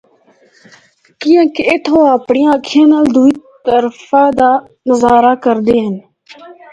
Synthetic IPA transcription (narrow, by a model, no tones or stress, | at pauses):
kiːə̃ːkeɪt̪ʰoːapɳɪjãːkʰeːnəld̪uiːt̪əɾfaːd̪aː | nəzaːɾaːkəɾd̪eːɦən